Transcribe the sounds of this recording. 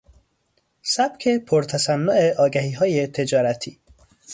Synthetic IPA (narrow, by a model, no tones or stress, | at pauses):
sæb̥cʰe̞pʰoɾt̪ʰæsænːoʔeʔɒːɡæɦiːɦɒːjet̪ʰe̞d͡ʒɒːɾæt̪ʰḭː